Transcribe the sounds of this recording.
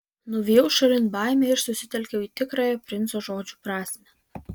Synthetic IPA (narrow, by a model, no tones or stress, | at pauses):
nʊʋʲijɛʊʃɐɾʲɪnbɑˑɪmʲɛɪɾsʊsʲɪt̪ʲɛlʲkʲɛʊiːt̪ʲɪkɾɑːjɛpʲɾʲɪnt̪soːʒoːd͡ʒʲuːpɾɑːsʲmʲɛ